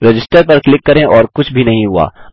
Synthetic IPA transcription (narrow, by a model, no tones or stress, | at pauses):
ɾed͡ʒɪsʈəɾpɐɾklɪkːɐɾẽʔɔːɾkʊt͡ʃʰbʱinɐɦĩɦua̰ː